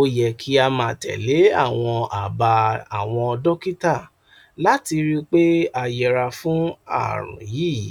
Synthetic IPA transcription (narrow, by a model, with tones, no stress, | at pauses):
o˧jɛ˨kʰi˦a˧mãː˨tɛ̰˨le˨˦a̰˦˨w̃ɔ̃˧a˨ba˧a˨w̃ɔ̃˧ɔ˧dɔ˦ki˦ta˦˨ | la˨˦ti˧ɾi˦k͡pe˦a˧jɛ˧ɾa˧fũ˦a̰˦˨ɾɔ̰̃˨ji˦˨˦